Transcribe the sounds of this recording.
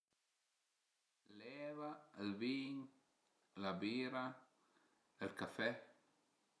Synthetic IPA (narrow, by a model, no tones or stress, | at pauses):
lɛvaəlbiɲ | labiɾa | əlkafɛ